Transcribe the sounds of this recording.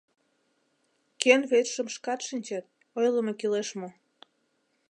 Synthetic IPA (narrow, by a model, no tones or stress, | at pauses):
kenβet̪ʃəmʃkɑt̪ʃinʲt͡ɕɑt̪̚ | ojləmokileʃmo